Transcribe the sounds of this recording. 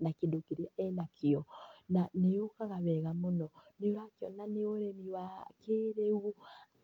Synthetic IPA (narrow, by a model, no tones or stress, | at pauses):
nakendokeɾeaɛnakʰeɔnanejokaɣaβɛɣamonɔneoɾakeɔnaneoɾemiwakeːɾeu